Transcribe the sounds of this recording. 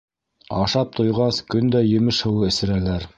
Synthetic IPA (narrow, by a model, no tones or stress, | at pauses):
ɑʃɑp̚t̪ʰŏjʁɑskɵnd̪æjɘ̆mɘʃhɤ̆wɤɘ̆sɘ̆ɾælæɾ